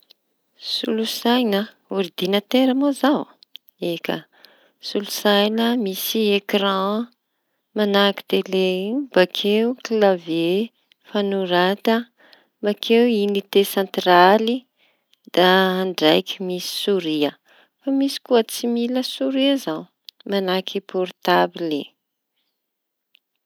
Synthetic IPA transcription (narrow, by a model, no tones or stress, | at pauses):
sṵlusajnə | uɾd̪inat̪eɾəmozaw | ekə̰ | sulu̥sajnəmisiekrɑ̃ | manaki̥t̪elebakʰeuklave | fanuɾat̪ə | makʰewinit̪esɑ̃nt̪rali | d̪̥aːɳɖ͡ʐajkimisi̥suɾiə | famisi̥kuət͡similəsuɾiazaw | manakʰipʰɔɾt̪abilḛ